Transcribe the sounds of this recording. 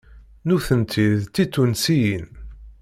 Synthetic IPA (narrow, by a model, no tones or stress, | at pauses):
nuθənt̪ʰiðt̪ːit̪ːunsijin